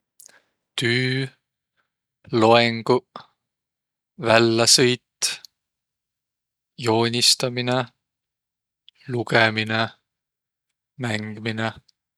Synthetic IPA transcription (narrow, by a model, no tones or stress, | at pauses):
t̪yː | lo̞eŋɡ̥u | vælːɑsɤjt̪ː | jo̞ːnʲist̪ɑmine | lukemine | mæŋɡ̥imine